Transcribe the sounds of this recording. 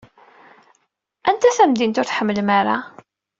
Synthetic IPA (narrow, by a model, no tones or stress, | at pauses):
ʔænt̪æθæmd̪int̪ʊɾθħəmːəlmaɾa̰